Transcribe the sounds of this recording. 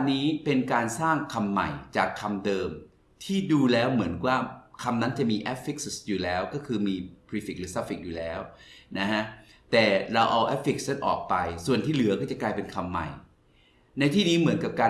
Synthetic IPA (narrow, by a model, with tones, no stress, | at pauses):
nːiː˦˥pe˧nkaː˧nsaː˥˩ŋkʰa˧mːa̰˨˩jt͡ɕaː˨˩kʰːa˧mdɤː˧m | t̪ʰiː˥˩duː˧lɛː˦˥wmɯ˩˦ənkwaː˥˩kʰa˧mna˦˥nt͡ɕa˨˩miː˧ʔɛ˦˥fi˦˥k̚sjuː˨˩lɛː˦˥wkɔː˥˩kʰɯː˧miː˧pɾi˦˥fi˨˩k̚ɾɯ˦˥sa˦˥pfi˨˩k̚juː˨˩lɛː˦˥wna˦˥kʰa˦˥ | t̪ɛː˨˩ɾa˧wʔa˧wʔɛ˦˥p̚fi˨˩k̚sna˦˥nʔɔ̰ː˨˩k̚pa˧jsu˨˩ənt̪ʰiː˥˩lɯ˩˦ɐkɔː˥˩t͡ɕa˨˩klaː˧jpe˧nkʰa˧mːa̰˨˩j | na˧jt̪ʰiː˥˩niː˦˥mɯ˩˦ənka˨˩p̚kaː˧